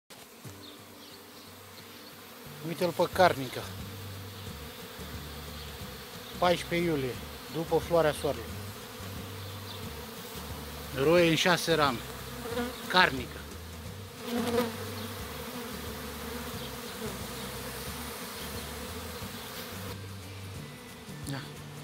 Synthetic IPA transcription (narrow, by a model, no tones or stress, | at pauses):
nujt̪elpəkarnika | pajʃpejulije̞ | d̪upəfloaɾeaswaɾelo | ɾojeɨnʃaseɾam | karnika | d̪a